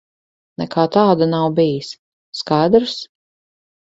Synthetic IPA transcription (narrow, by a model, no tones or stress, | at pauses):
nɛkʰaːt̪aːd̪anawbijisː | kajd̪ɾs